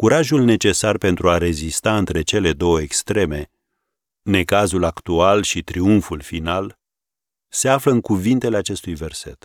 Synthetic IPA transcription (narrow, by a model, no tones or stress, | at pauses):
kuɾaʒulne̞t͡ʃe̞sarpe̞nt̪ɾuaɾe̞zist̪aɨnt̪ɾe̞t͡ʃe̞le̞d̪o̞wəekst̪ɾe̞me̞ | ne̞kazulakt̪ualʃit̪ɾiunfulfinal | se̞afləɨŋkuvint̪e̞leat͡ʃe̞st̪ujve̞rse̞̰t̪